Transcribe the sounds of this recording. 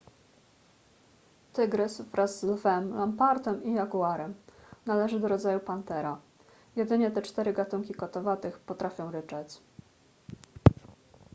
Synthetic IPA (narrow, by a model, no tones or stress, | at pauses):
t̪ɘɡɾɘsvɾazːlvɛmlampaɾt̪ɛmijaɡuaɾɛmnalɛʐɘd̪ɔɾɔd̪zajupant̪ɛɾa | jɛd̪ɘɲɛt̪ɛt͡ʂt̪ɛɾɘɡat̪uŋkʲikɔt̪ɔvat̪ɘxpɔt̪ɾafʲjɔ̃w̃ɾɘt͡ʂɛt͡ɕ